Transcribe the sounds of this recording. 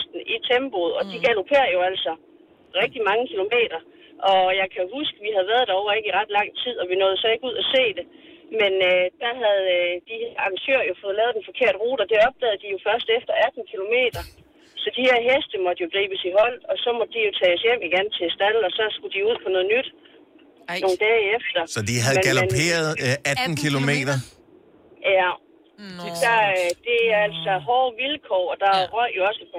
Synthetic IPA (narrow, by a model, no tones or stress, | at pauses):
sd̥n̩it͡sʰemb̥oðˠɒ̽d̥iɡ̥ælo̝pʰe̝̰ːɐjo̝æl̰sɒ̽ | ʁɛɡ̥̚d̥imɑ̈ŋəkʰilo̝me̝̰ːd̥ɐ | ʔɒ̽jɑ̈ɪkʰæohusɡ̥əʋiɦæð̞̩ˠʋæɐð̞ˠd̥æ̈ɒʊɐe̝ɡ̥iʁɑ̈d̥lɑ̈ŋ̰t͡sʰið̞̰ˠɒ̽ʋinɔ̽ːðˠsɒ̽e̝ɡ̥uð̞̰ˠæse̝̰ːd̥e̝ | menød̥æɦæð̩ˠd̥ihæɐɑ̈ŋsøɐ̰jo̝fɔ̽ːð̞̩ˠlɛːðˠd̥enfɒ̽kʰe̝ɐ̰d̥ʁuːɾ̥ɐd̥e̝ɒ̽b̥̚d̥ɛ̰ːð̞̩ˠd̥ijo̝fɶɐsd̥efd̥ɐæd̥n̩kʰilo̝me̝̰ːd̥ɐ | sɒ̽d̥ihe̝ɐ̰ɦesd̥əmɒ̽d̥jo̝ɡ̥ʁiːb̥əsiɦɒ̽l̰ɒ̽sɒ̽mɒ̽d̥̚ːd̥ijo̝t͡sʰɛːɒsjem̰iɡ̥ent͡sʰe̝sd̥ælɒ̽sɒ̽sɡ̥ud̥iuð̰ˠpʰɒ̽nɔ̽ːðˠnyd̥ | no̝ːn̩d̥ɛːefd̥ɐsɒd̥iɦæðˠmɡælne̝̰ːɐð̩ˠæd̥n̩kʰilo̝me̝̰ːd̥ɐ | jæ | d̥ɑd̥e̝æɐæl̰sɒ̽ɦɒːʋilkʰɒɒd̥ɑ̈ʁɶ̰jo̝ɒ̽sə